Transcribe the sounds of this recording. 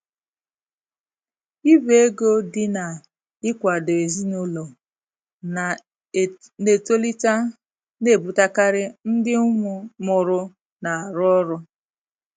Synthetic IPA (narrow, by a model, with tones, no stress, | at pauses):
i˦be˦e˦ɡo˦dɪ˦na˨ | ɪ˦kʷa˨do˨e˨zi˦nʊ˦lɔ˨ | ne˨to˦li˦ta˦ | ne˦˨bu˨ta˦ka˦ɾɪ˦n̩˦dɪ˦ʊ˦ŋʊ˦mʊ˨ɾʊ˦ | na˨a˨ɾɔ˦ɾʊ˦